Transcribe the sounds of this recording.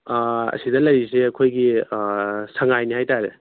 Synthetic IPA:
ɐ̰sidɐlɐɾiseɐkʰojɡi | sɐŋajnihajtaɾe

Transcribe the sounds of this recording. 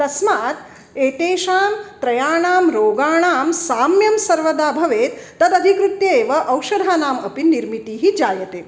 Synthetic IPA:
t̪ɐsmaːt̪ | eːʈ̪eːʃaːmt̪ɾɐjaːɳaːmɾoːɡaːɳaːmsaːmjɐmsɐɾʋɐd̪aːbʱɐʋeːt̪ːɐd̪ɐd̪ʱikɾut̪jɐeːʋɐʔɐwʃɐd̪ʱaːnaːmɐpinːiɾmit̪iːɦid͡ʒaːjɐt̪eː

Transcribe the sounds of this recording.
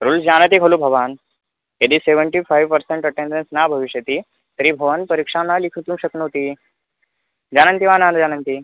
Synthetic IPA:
ɾuld͡ʑanət̪ikʰəluːbʱəʋan | ed̪iːseʋəɳʈifajʋpəɾseɳʈəʈẽɳɖənsnabʱəʋiɕjət̪iː | t̪əɾiːbʱəʋanpəɾikʂãnːalikʰit̪ũːɕəknət̪i | d͡ʑanənt̪iʋanand͡zanənt̪i

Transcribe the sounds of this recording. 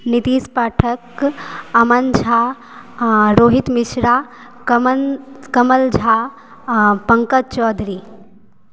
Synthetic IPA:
nit̪iːspaːʈʰəkɐmənd͡ʒʱa | ɾoːɦit̪mɪʃɾaːk | kɐməld͡ʒʱaː | pɐŋkət̪̚t͡ʃɔːd̪ɾiː

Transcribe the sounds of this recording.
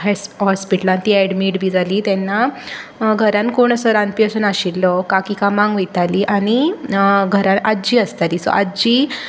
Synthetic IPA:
ɦɦɔspiʈəlãnt̪iːɛɽmiːʈbʱiːd͡zʱaliːt̪ɛnːa | ɡʱəɾãnkoɳ̃əsəɾanpijəsənaɕilːɔkakikamãŋɡʋəjt̪aliːʔaɽ̃i | ɡʱəɾãnad͡ʑiːəst̪aliːsɔ̰ʔad͡ʑiː

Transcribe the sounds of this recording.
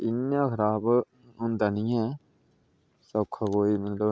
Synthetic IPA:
ɪnːãːkʰəɾaːb | ɦʊ̃nd̪aːnĩːɛ̃ː | səkʰːakoːiːmət̪ləb

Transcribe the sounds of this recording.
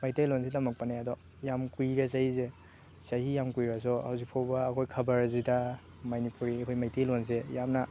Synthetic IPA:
majtelɔns̬edamɐk̚paneadɔ | jamkujɾesajze | sahijamkujɾas̬ɔa̰wzipʰowbaːkʰojkʰɐbaɾzida | manipuɾiɐkʰojmajtelons̬ejamna

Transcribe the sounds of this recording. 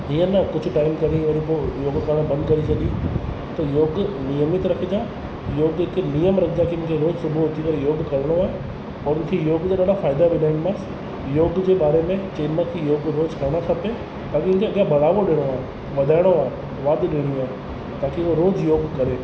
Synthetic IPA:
ɦiːə̃nɐkʊd͡ʑʱʊ̆ʈaːɪmkɐɾiʋɐɾipoːjoːɡkɐɾəɽ̃bɐ̃nd̪kɐɾit͡ɕʰɐɠi | t̪ɐjoːɡnijəmɪt̪ɾɐkʰid͡ʑaː | joːɡɦɪknijəmɾɐkʰɪd͡ʑakʰimʊ̃kʰeɾoːd͡ʑsʊbʱoɦot̪ikɐɾejoːɡkɐɾɪɽ̃oaːɦe | ɔːɾmʊ̃kʰejoːɡt̪aɗaːɖafaːɪd̪abʱiɗaːɪnmas | joːɡd͡ʑeːɓaːɾemẽt͡ɕeːnmakʰijoːɡɾoːd͡ʑkʰɐɾɪɽ̃akʰɐpe | t̪aːkimʊ̃ñkʰeɐɠjabʱɐɽ̤aːʋoɗɪɽ̃oaːɦe | ʋɐd̪ʱaːɪɽ̃oaːɦe | ʋaːd̪ɗɪɽ̃iaːɦe | t̪aːkioɾoːd͡ʑjoːɡkɐɾeː

